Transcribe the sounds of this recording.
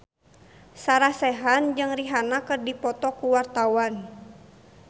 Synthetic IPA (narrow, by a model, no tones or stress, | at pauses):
saɾahsɛɦand͡ʒɨŋriɦanakɨrdipɔt̪ɔkuwart̪awan